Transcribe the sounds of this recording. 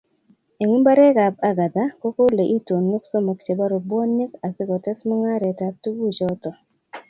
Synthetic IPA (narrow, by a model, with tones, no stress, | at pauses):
e˨ŋu˦mba˦ɾɛ˦ka˨b̚a˦ɡa˨d̪a˦ko˦ko˦le˨ʔi˦to˨nwo˦kso˦mo˨kt͡ʃe˨ba˦ɾo˨bɔ˦ni˦ka˨sɪ˦kɔ˨tɛ˦smɔ˦ŋa˦ɾɛ˨ta˨˦p̚tu˦ɡu˦t͡ʃɔ˦tɔ˨